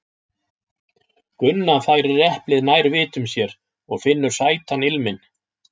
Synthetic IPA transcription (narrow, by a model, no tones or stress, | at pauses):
kʏnːafaːjɾɪɛhplɪðnaːjɾvɪːt̪ʏmsjɛɾ | ɔɣfɪnːʏɾ̥saːjt̪ʰanɪlmɪn